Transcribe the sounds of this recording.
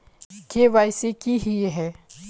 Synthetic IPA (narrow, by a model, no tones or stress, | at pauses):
keʋaːjsikiɦieɦɛː